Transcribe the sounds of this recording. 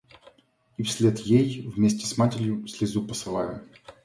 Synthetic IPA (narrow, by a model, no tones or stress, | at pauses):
ifsʲlʲet̪jejvmʲesʲtʲɪsmatʲɪɾʲjʊsʲlʲɪzupəsɨlˠa̰jʊ